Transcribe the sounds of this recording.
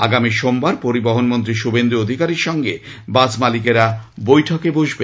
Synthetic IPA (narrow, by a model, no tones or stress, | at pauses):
a̰ɡamiʃombaɾpoɾibaɦonmont̪ɾiʃubend̪ɾuod̪ʱikaɾiɾʃɔŋɡebad͡ʑmalikeɾabojʈʰokeboʃbe